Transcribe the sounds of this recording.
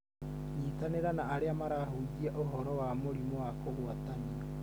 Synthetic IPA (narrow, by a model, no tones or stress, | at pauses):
nitaneɾanaːɾeamaɾaɦuːɡiɛʔoɦɔɾɔwamoɾimɔwakohwatania